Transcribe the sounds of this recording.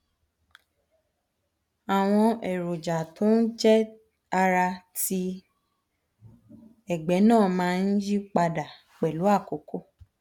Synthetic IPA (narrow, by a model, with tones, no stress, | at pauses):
a˨w̃ɔ̃˧ɛ˨ɾo˨d͡ʒa˨tʰo˨˦n̩˦d͡ʒɛ˦ | a˧ɾa˧ti˧ | ɛ˨ɡ͡bɛ˨˦nãː˦˨mãː˨˦˧n̩˦d͡ʒi˦k͡pa˧da˨ | k͡pɛ˨lu˨˦a˦˨ko˨ko˦